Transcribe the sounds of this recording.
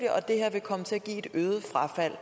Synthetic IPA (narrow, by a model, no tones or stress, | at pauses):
d̥əʔɒ̽d̥e̝heɐ̰ʋe̝kʰɒ̽mət͡sʰe̝æɡ̥ḭːe̝d̥øːð̞̩ˠəfʁɑ̈fæl̰